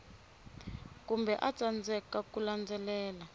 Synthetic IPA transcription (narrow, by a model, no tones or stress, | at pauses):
kumbɛʔat͡sʼand͡zʱɛkakuland͡zɛlɛːla